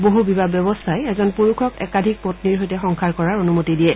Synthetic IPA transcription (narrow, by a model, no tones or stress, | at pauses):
boɦubibabjɔbɔstʰajɛzɔnpuɹukʰɔkɛ̰kadʱik̚potniɹɦojtɛxɔŋkʰaɹkɔɹaɹonumotidiɛ